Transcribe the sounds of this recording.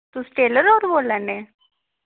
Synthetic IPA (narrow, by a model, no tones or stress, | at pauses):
t̪ʊsʈeːləɾɔːɾboːlɛːneː